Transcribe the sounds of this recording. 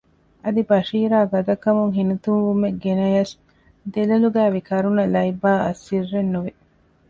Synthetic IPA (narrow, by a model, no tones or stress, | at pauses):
ɐd̪ibɐʃiːɾaːɡɐd̪ɐkːɐmuŋɦinut̪unʋumeɡenɐjɐs | d̪elɐluɡæːʋikɐɾunɐlɐjbaːɐ̰sːirːenːuʋi